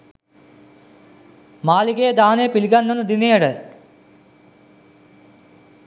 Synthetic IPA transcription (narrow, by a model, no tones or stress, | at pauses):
maːliɡeːɐd̪aːnepiliɡɐnːɐnud̪inejɐɽə